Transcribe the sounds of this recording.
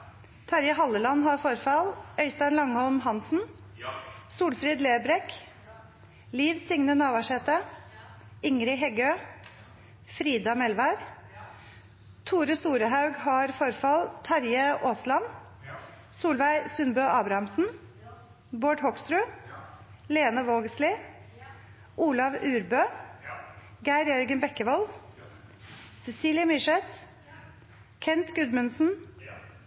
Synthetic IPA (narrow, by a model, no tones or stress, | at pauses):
t̪ʰɑɾjəhɑləlɑnhɑɾfɔɾfɑlœʏst̪ɑnlɑŋhɔlmɦɑnsn̩ | suːlfɾiːd̪leːbɾɛk | liːʋsɪŋnənɑːʋɑʃɛt̪ə | ɪŋɾɪɦɛɡøː | fɾiːd̪ɑmɛlʋæɾ | t̪ʰuːɾʉsuːɾəɦɑʉɡhɑɾfɔɾfɑlt̪ʰɑɾjəʔoːslɑm | suːlʋæɪsʉnbøːʔɑːbɾɑɑmsn̩ | boːʈhɔkst̪ɾʉː | leːnəʋoːɡəslɪ | ʔuːlɑʋʉːɾbøː | ɡæɪɾjœɾɡənbɛkəʋɔl | sɛsiːlɪəmɪʂɛt̪ | kʰɛnt̪ɡʉd̪mʉnsn̩